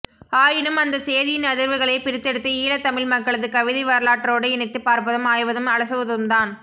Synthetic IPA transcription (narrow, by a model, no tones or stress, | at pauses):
aːjɪnɯmɐnd̪ɐseːðɪjɪnɐðɪɾʋɯɣɐɭɐɪpɪɾɪt̪ːɛɽɯt̪ːɯiːlɐt̪ːɐmɪɭmɐkːɐɭɐðɯkɐʋɪðɐɪʋɐɾɐlaːʈːɾoːɽɯɪɳɪt̪ːɯpaːɾpɐðɯmaːjʋɐðɯmɐɭɐsɐʋɯðɯmd̪aːn